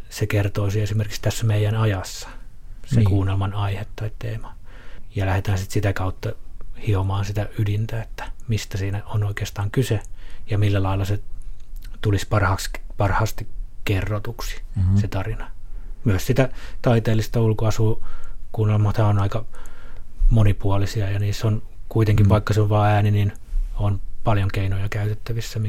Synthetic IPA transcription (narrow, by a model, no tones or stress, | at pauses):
sekert̪oːsiesimerki̥kst̪æsːæmeijænɑjɑsːɑ̥ | sekuːnelmɑnɑihet̪ːɑit̪t̪eːmɑjɑlæhet̪æːnsit̪sit̪ækɑut̪ːɑhiomɑːnsit̪æydint̪æet̪ːæ̥mist̪æsiːnæonoikeːst̪ɑːŋkysejɑmilːælɑilːɑse | t̪ulispɑrhɑkspɑrhɑst̪ikerːot̪uksi̥set̪ɑrinɑmyøssit̪æt̪ɑit̪eːlːist̪ɑulkoɑsuːkunomɑt̪hæonɑikɑ | monipuɑlisiɑjɑniːsonkuit̪eŋkiʋʋɑikːɑseoʋʋɑːæːninin | onpɑljoŋkeinojɑkæyt̪et̪ːæʋisːæmi